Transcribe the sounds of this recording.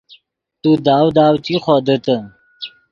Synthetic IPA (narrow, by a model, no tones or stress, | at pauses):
t̪ud̪aːwd̪aːwt̪ixod̪ət̪ə